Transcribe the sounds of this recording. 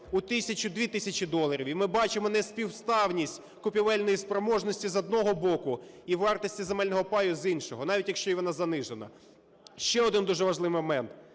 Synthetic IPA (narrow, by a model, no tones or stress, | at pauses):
ʊt̪ɪsʲɐt͡ʃʊd̪ʋʲit̪ɪsʲɐt͡ʃid̪ɔlˠɐɾʲiwimɪbɑt͡ʃɪmɔnɛsʲpʲiwst̪ɑwnʲisʲtʲ | kʊpʲiʋɛlʲnɔjispɾɔmɔʒnɔsʲtʲizɔd̪̚nɔɦɔbɔkʊ | iwʋɑrt̪ɔsʲtʲizemɛlʲnɔɦɔpɑjʊzinʃɔɦɔnɑʋʲitʲjɐkʃt͡ʃɔjiʋɔnɑzɐnɪʒenɐ̰ | ʃt͡ʃɛɔd̪ɪnd̪uʒɛʋɐʒlˠɪʋmɔmɛnt̪